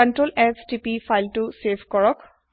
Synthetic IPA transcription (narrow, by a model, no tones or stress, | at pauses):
əntɹolɛstipifʰajltusebʰkɔɹɔk